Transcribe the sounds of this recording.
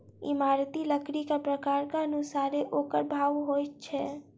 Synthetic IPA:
ɪ̰maɾt̪iləkɾikapɾəkaːɾkaənusaːɾeʔoːkəɾbʱaːʋɦojtt͡ʃʰɛ

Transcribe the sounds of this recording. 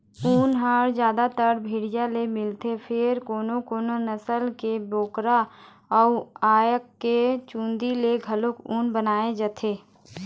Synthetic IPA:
uːnɦaːɽd͡ʒjaːd̪at̪əɾbʱiːɽɪjalemɪlt̪epʰɪɾkoːnokoːnonəsəlkeboːkɾa | ɔːaːjəkːet͡ʃũːnd̪ileɡʱəlokuːnbənaːed͡ʒət̪ʰeː

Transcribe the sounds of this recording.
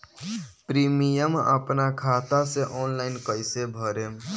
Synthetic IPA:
pɾimijəmə̰pnakʰat̪aseʔɔːnlaɪnkəjsebʱəɾe

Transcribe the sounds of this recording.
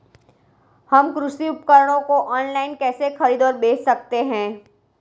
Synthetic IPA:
hɐmkɾʊʃiʊpkəɾəɽ̃õkoʔɔːnlaːɪnkɛːsexɐɾiːd̪ɔːɾbeːssɐk̚t̪eɦɛ̃ː

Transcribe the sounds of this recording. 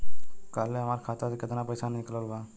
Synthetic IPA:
kaːleɦɐmaːɾkʰaːt̪asekɪt̪napəjsannɪklaluɡaː

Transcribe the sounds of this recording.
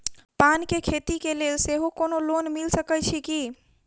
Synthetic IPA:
pankekʰet̪ikelelseɦokonolonmilsəkəjt͡ʃʰiki

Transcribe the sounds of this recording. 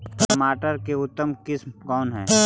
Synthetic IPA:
əmaːʈəɾkeʊt̪ːəmkɪsmkɔːnɦɛ̰̃ː

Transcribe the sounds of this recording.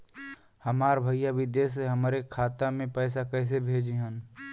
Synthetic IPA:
həmaːɾbʱəijaʋɪd̪eːs̬eɦəmɾekʰaːt̪amẽpəːsakɛɪs̬ebʱeːd͡ʒiɦən

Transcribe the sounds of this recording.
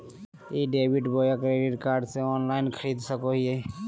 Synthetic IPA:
iɖeːbiʈboːjəkɾeːɖɪʈkaːɾɖseɔːnlaːɪnkʰəɾiːd̪səkoɦie

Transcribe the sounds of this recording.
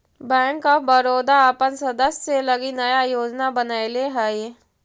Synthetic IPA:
bɛ̃ːŋkɔbəɾoːd̪aːpənsəd̪əsseləɡinəjajoːd͡ʒnabənaːeleɦɛːe

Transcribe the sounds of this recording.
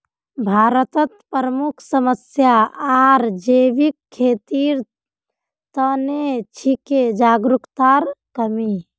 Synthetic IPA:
bʱaːɾət̪ət̪pəɾəmukʰsəməsjaaːɾd͡ʒeːʋikʰːeːt̪iːɾ | t̪ənet͡ʃʰiked͡ʒaːɡɾukt̪aːɾkəmi

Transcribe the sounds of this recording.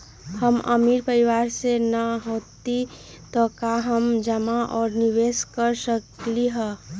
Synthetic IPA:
həmə̰miɾpəɾiwaɾsenəɦot̪i | t̪ɔkaɦəmd͡ʒəmaʔɔːɾniweskəɾsəkliɦə

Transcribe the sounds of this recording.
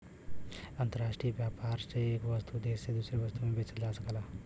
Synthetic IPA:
ənt̪əɾaʂʈɾijəʋjapaɾt͡ɕeekʋəst̪ud̪esed̪usɾeʋəst̪umebʱet͡səld͡zaːsəkala

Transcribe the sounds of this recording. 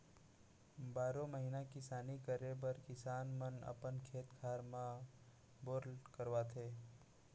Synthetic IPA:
baːɾõməɦinakɪsaːnikəɾebəɾkɪsaːnmənə̰pənkʰeːt̪kʰaːɾmã | boːɾlkəɾwat̪ʰeː

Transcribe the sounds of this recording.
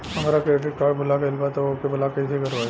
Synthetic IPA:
ɦɐmaːɾakɾeːʈ̬ɪʈ̚kaːɖbʱʊlakeɪlbat̪ːokebʱʊlakɐis̬eikɐɾʋa

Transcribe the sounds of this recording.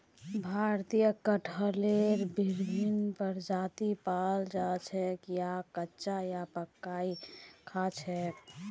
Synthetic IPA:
bʱaɾt̪ijəkəʈʰəleɾbiɾbʱinpəɾd͡ʒat̪ipald͡ʒat͡ʃʰɛkjakətːt͡ʃajapəkːaikʰat͡ʃʰɦɛ

